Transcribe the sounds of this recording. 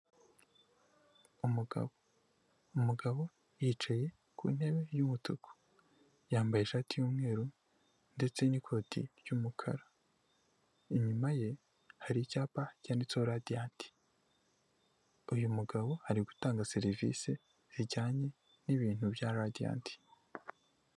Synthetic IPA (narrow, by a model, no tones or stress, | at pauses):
umuɡa̰ | umuɡaβo̞ | jit͡ʃaje̞ | kʰṵːn̥he̞βe̞jumutokʰo̥ | jaːmbajeʃaːtijuːmŋe̞ːɾu | nde̞t͡se̞nikʰo̞ːtʰḭɾjumukʰa̰ɾa | iɲumaje̞ | haɾiɟaːpaɟaːnit͡soɾadianti̥ | ujumuɡaβo̞haɾiɡu̥taːŋɡaseɾivḭse | ziɟaːɲe̞ | niβiːn̥hubjaɾadia̰ːntʰi̥